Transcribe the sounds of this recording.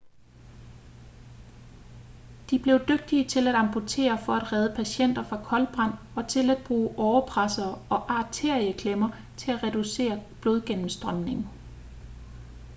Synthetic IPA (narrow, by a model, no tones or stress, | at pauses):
d̥ib̥le̝ʊd̥øɡ̥̚d̥iət͡sʰe̝læɾ̥ɑ̈mpʰo̝t͡sʰe̝̰ːɐfɒ̽æd̥ʁɛːð̞ˠəpʰæɕen̰d̥ɐfʁɑ̈kʰɒ̽lb̥ʁɑn̰ | ɒ̽t͡sʰe̝læd̥̚b̥ʁuːʔɒʊɐpʰʁasɐːɒ̽ʔɑ̈ːt͡sʰe̝ɐ̰iəkʰlemɐ | t͡sʰe̝æʁɛd̥use̝̰ːɐb̥lo̝ð̞ˠɡ̥en̰m̩sd̥ʁɶmne̝ŋ̩